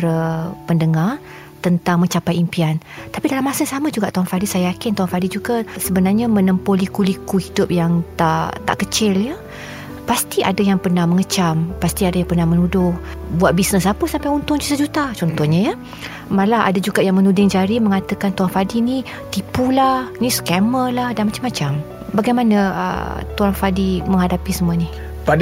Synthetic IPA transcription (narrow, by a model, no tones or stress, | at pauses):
rəpəndəŋar | t̪ənt̪aŋməɲt͡ʃapajimpiant̪apidalamasəsamad͡ʒuɡaʔt̪oɦanfadisajajakɪnt̪uɦanfadid͡ʒuɡasəbənarɲamənəmpolikulikuhidʊp̚jaŋt̪a̰t̪a̰ʔkət͡ʃɪljə | past̪iʔadajaŋpərnahməŋət͡ʃampast̪iadajaŋpərnahmənudʊbuwat̪̚bisnəsapəsampajunt̪ʊnd͡ʒut̪ad͡ʒut̪at͡ʃɔnt̪ɔhɲajə | malaa̰dad͡ʒuɡaʔjaŋmənudɪŋd͡ʒaɾiməŋat̪əkant̪uaŋfadini | t̪ipulahniskɛməlahdanmat͡ʃamat͡ʃam | baɡajmanaə̰t̪uaŋfadiməŋɦadapisəmuani | fa